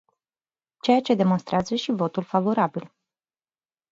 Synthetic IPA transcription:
t͡ʃe̞jat͡ʃe̞d̪e̞monst̪ɾeazəʃivo̞t̪ulfavo̞ɾabil

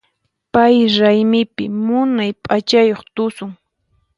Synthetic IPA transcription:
pajɾajmɪpɪmʊnajpʼat͡ʃajoχt̪ʊsʊŋ

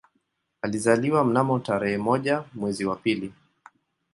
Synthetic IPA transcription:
alizaliwam̩namɔtaɾɛhɛmɔʄamwɛziwapili

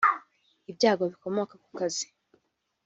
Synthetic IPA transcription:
ibɟaːɡo̞βiko̞mokaku̥kazi̥

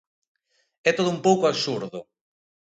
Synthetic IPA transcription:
ɛt̪oð̞ʊumpowkʊaβsuɾðʊ

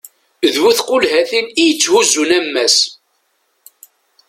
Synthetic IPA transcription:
ðwuθqʊlhæθinijət͡sːhuzːunæmːæs

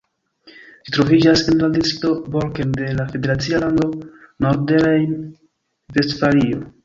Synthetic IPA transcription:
d͡ʒitɾo̞vid͡ʒasenladitɾito̞bolkende̞lafe̞de̞ɾat͡sialando̞noɾdeɾajn | ve̞stfalio

